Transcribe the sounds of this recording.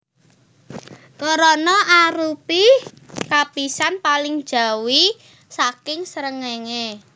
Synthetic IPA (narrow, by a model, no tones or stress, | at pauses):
kɔɾɔnɔaɾupi | kapisanpalɪŋd̥ʒ̥a̤wi | sakɪŋsəɾəŋeŋe